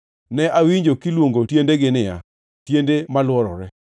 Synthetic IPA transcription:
nɛʔawiɲd͡ʒokilwoŋɡotjendeɡɪnɪja̰ | tjendemalwɔɾɔ̰ɾɛ

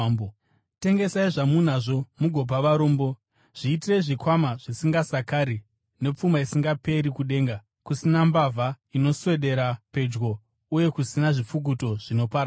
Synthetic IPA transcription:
te̞ŋɡe̞saiʐamun̤aʐo̞muɡʱo̞p̬aʋaɾo̞ːmbo̞ | ʐ̥iːtireʐikwamaʐ̥isiŋɡasakaɾi | ne̞p͡fumaisiŋɡape̞ɾikuɗe̞ːŋɡa | kusinambavʱa | ino̞swe̞ɗe̞ɾape̞d͡ʒɡo̞ | uje̞kusinaʐip͡fuk̬uto̞ʐ̥ino̞paɾa

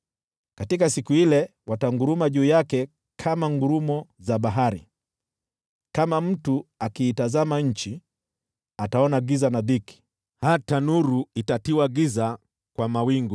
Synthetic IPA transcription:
katikasikuilɛwataŋɡuɾumaʄuːjakɛ | kʰamaŋɡuɾumɔzaɓaɦaɾḭ | kamam̩tuakiːtazamaɲ̩t͡ʃi | ataɔnaɡizanaðiki̥ | hatanuɾuitatiwaɡiza | kwamawiŋɡu

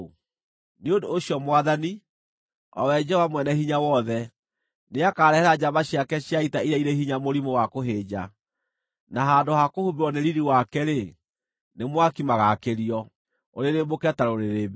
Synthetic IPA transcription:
neondoːɕiɔmwaðani | ɔ̰wɛd͡ʑɛwamwɛnɛhiɲawɔðɛ | neakaɾɛhɛɾad͡ʑaβaɕjakɛɕjaitaiɾɛiɾehiɲamoɾimowakoɦeːd͡ʑa | naɦaːndohakohubeɾwɔneɾiɾiwakɛɾe | nemwakimaɣakeɾiɔ | oɾeɾemokɛtaɾoɾeɾebe

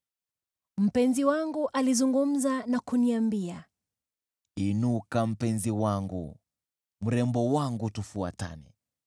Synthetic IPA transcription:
m̩pɛnziwaŋɡuʔalizuŋɡum̩zanakuniambia | inukam̩pɛnziwaŋɡṵ | m̩ɾɛmbɔwaŋɡutufua̰ta̰nḭ

